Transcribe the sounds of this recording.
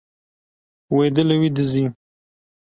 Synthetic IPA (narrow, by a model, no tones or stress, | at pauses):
wed̪əlawid̪əzi